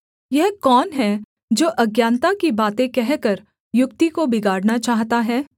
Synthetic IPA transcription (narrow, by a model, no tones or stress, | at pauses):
jɛɦkɔːnɦɛ | d͡ʒoːʔɐɡjaːnt̪akibaːt̪ẽkɛɦkəɾ | jʊkt̪ikobɪɡaːɽnat͡ʃaːɦt̪aɦɛː